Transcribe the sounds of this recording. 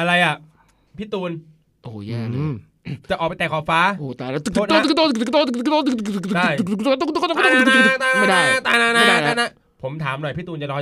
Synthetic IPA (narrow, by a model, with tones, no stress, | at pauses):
ʔa˧ɾa˧jʔa˨˩ | pʰiː˦˥t̪uː˧n | ʔoː˨˩jaː˧˩˧ | t͡ɕa˨˩ʔɔː˨˩pa˧jt̪ɛː˨˩kʰɔː˨˩faː˦˥ʔoː˨˩t̪aː˧na˦˥t̪ɯ˨˩t̪ːt̪o˥˧t̪̚ːt̪o˥˧t̪ːt̪ːt̪ːt̪t̪t̪ːt̪ɯ˨˩kt̪t͡ɕa˥˩j̪t̪ɔ˥˧˥aː˥˧ma˧˥˩a˥˧˩na˦˥˩t̪aː˧˩na˦˥na˦˥a˦˥aː˥˩na˦˥ | pʰo˩˦mt̪ʰaː˩˦mnɔ˨˩jpʰi˦˥˩t̪uː˧nt͡ɕa˨˩ɾɔː˧˥